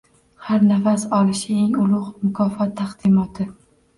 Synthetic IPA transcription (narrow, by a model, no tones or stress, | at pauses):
haɾnafasɒlˠɪʃɪeŋʊlˠʊʁmʊkʰɒfɒt̪ʰːaqd̪ɪmɒt̪ʰɪ